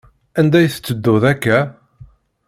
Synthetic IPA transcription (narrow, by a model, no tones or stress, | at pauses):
ænd̪æjθə̥t͡sːəd̪ːʊðækːæ